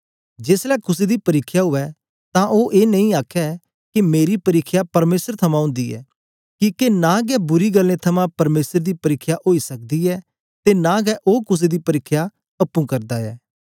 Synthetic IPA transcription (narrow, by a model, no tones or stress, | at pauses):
d͡ʒeːslɛːkʊsed̪ipɐɾɪkʰːjaɦʊɛ | t̪ãʔoːʔeːnɐɦĩaːkʰɛ | kimeːɾipɐɾɪkʰjapɐɾmeːsəɾt̪ʰɐmãɦʊ̃ːnd̪iːɛ̰ː | kikenãːɡɛbʊɾiɡəlːẽt̪ʰɐmãpɐɾmeːsəɾd̪ipɐɾɪkʰːjaʔoːisɐk̚d̪iɛː | t̪enãːɡɛʔoːkʊs̬ed̪ipɐɾɪkʰːja | ɐpːũkɐɾd̪aɛ̰ː